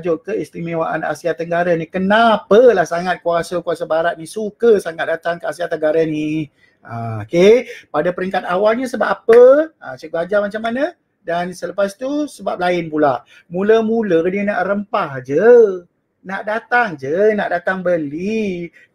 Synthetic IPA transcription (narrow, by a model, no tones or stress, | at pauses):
d͡ʒoʔkəist̪ɾimĩwaʔa̰na̰siat̪əŋɡaɾanikənapəlahsaŋat̪̚kuasakuasabaɾat̪̚nisukəsaŋat̪̚dat̪aŋkəasiat̪əŋɡaɾani | aokepadapəɾiŋkat̪̚awalɲəsəba̰papəasəɡad͡ʒamat͡ʃamːanə | dansələpast̪usəbap̚laɪnpulaʔ | muləmulədiənaʔɾəmpahd͡ʒə | naʔdat̪aŋd͡ʒənaʔdat̪aŋbəli